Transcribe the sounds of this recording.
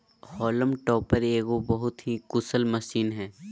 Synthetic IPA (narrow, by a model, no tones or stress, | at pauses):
hɔːləmʈɔːpəɾeːɡobɐɦʊt̪ɦikʊsəlmɐʃiːnɦɛː